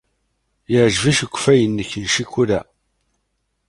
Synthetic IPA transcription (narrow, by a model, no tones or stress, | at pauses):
jəʕʒviʃəɡʷːfæjənːəçənʃikːuɾæ